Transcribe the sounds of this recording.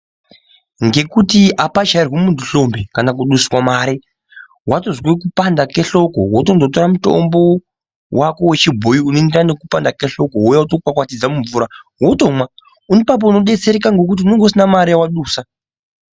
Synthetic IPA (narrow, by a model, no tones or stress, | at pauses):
ŋɡe̞kutiʔapad͡ʒairwemuntuɬo̞mbekanakuɗusi̥kwamaːɾi | ɦwatozwekupandake̞ɬo̞ko̰wotondot̬oɾamuto̞̰mbo̞ | wako̞we̞t͡ʃibʱojiunoendranekupandakeɬo̞koɦujautokukakwatid͡zamuɱvuːɾaɦwoto̞mwa | unipap̬ouno̞ɗe̞t͡se̞ɾekaŋɡo̞k̬ut̬iuneŋɡosinamaɾijawaɗuːsa